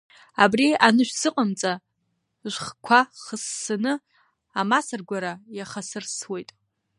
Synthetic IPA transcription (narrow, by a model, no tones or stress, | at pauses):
abrianɨʃᶣsɨqʼəmt͡sʼa | ʒʷχkʷʰaχəsːɨnɨ | amasɨrɡʷaɾajaχasɨrswe̞jtʼ